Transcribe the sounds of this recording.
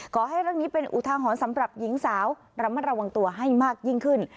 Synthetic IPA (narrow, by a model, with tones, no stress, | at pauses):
kɔː˩˦ɦa˥˩jɾaː˦˥˩ŋniː˦˥pe˧nʔṵ˨˩t̪ʰaː˧ɦɔː˩˦nsa˩˦mɾa˨˩p̚ji˩˦ŋsaː˩˦w | ɾa˧ma˧˥˩n̚ɾa˧wa˧ŋt̪u˧ɐɦa˥˩jmaː˥˩k̚ji˥˩ŋkʰɯ˥˩n